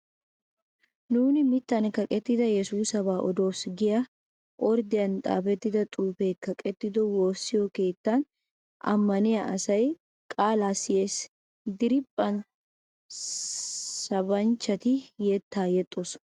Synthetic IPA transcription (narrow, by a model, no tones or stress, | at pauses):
nuːnɪmɪt̪ːɐnkɐkʼɛt̪ːɪd̪ɐjɛsuːsɐβaːʔɔd̪o̞ːsɡɪjɐ | ʔɔɾd̪ɪjɐnt̪ʼa̰ːfɛt̪ːɪd̪ɐt̪ʼuːfe̞ːkːɐkʼɛt̪ːɪd̪ɔwoːsːɪjoke̞ːt̪ːɐn | ɐ̰mːɐnɪjɐʔɐsɐj | kʼaːlaːsɪje̞ːs | d̪ɪɾɪpʼːɐn | sɐbɐnt͡ʃːɐt̪ɪjɛt̪ːaːjɛt̪ʼːos